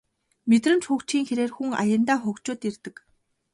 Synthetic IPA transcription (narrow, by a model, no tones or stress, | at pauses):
met̪rɘ̆nt͡ɕxʊːkt͡ɕiːŋxeɾeːrxuŋa̰jə̆nt̪aːxʊkt͡ɕʊːt̪irt̪ɘ̆k